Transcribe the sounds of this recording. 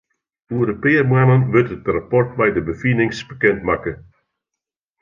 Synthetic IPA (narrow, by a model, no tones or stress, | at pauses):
uəɾəpɪːərmanənʋɪtətrapɔrt̚bɛjdəbəfinɪŋsb̥əkɛntmakə